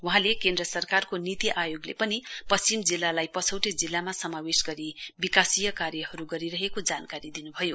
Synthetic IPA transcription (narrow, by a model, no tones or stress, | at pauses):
wuɦãlekẽnd̪rʌsʌrkarkonit̪iʔajoɡlḛpʌnipʌst͡ɕimd͡zilːalajpʌt͡sʰʌwʈed͡zilːamasʌmawesɡʌɾibikasijʌkarjʌɦʌɾuɡʌɾiɾʌɦekod͡zankaɾid̪inubʱʌjo